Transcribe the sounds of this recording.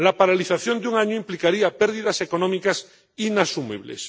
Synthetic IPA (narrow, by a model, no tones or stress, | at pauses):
lapaɾaliθaθjo̞nd̪uŋaɲoimplikaɾiapeɾðiðase̞ko̞nõmikas | inasumḭβlḛs